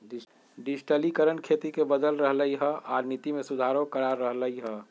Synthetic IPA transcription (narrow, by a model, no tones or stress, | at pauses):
ɖɪsʈəlikəɾənkʰeːt̪ikebəd̪əlɾəɦləiɦəʔaːɾnit̪imẽsʊd̪ʱaːɾõkəɾaɾːəɦləiɦə